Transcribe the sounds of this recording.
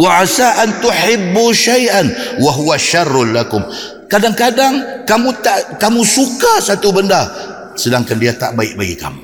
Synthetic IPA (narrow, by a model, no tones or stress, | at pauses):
waʕasaʔant̪ʊħɪbːuʃajʔanwaɦuwaʃarːʊlakʊm | kadaŋkadaŋkamũt̪aʔkamũsukasat̪ubənda | sədaŋkandiat̪a̰ʔbaɪʔbaɡḭka̰mu